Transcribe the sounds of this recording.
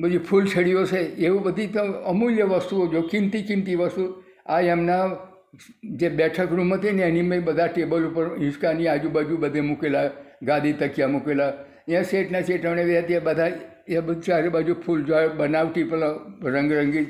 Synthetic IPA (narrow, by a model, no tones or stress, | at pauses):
bəd͡ʒupʰult͡ʃʰəɽijot͡ʃʰeeʋũbəd̪ʱit̪əəmuljəʋəst̪uod͡ʒokɪ̃mt̪ikɪmt̪iʋəst̪u | ajəmna | d͡ʒebɛʈʰəkɾumɦət̪ineenimẽbəd̪ʱaʈebəlupəɾɦɪ̃skaniad͡ʒubad͡ʒubəd̪ʱemukelaɡad̪it̪əkijamukela | jãseʈnaseʈəmneʋeɦət̪iebəd̪ʱa | ebəd̪t͡ʃaɾebad͡ʒupʰuld͡ʒoebənaʋʈipəlɾə̃ŋɡɾəŋɡi